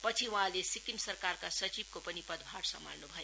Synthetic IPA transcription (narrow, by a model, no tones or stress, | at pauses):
pʌt͡sʰiwuɦãlesikimsʌrkarkasʌt͡sib̚kopʌnipʌd̪bʱaɽsʌ̰ma̰lnubʱʌjo